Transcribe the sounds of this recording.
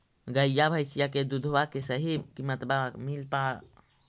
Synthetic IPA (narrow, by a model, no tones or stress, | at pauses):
ɡəjjabʱəjsijaked̪ud̪ʱʋakesəɦikimət̪bamilpa